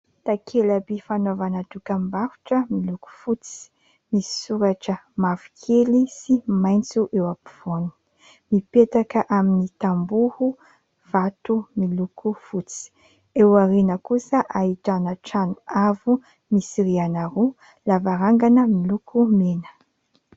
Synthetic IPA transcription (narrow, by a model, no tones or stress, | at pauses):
t̪akʰelabifanovanad̪ukəmbaɾu̥ʈ͡ʂəmiluku̥fut͡si̥ | misi̥suɾaʈ͡ʂə | mafi̥kʰelisimajnt͡suʔewapiv̥uani̥ | mipet̪akəʔaminit̪ambuhu | v̥at̪umilukufut͡si̥ | ewaɾenəkusəʔaɦiʈ͡ʂanəʈ͡ʂanuavu | misiɾianaɾu | lavaɾaŋɡanəmilukʰumenə̥